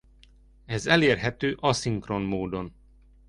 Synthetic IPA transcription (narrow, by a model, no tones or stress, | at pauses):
ɛzɛleːrɦɛt̪øːʔɒsiŋkronmoːd̪o̞n